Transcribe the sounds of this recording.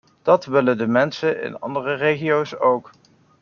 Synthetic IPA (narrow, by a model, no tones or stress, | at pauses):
d̥ɑtʋɪlədəmɛnsəɪ̰nɑ̰ndərərejχiowsowk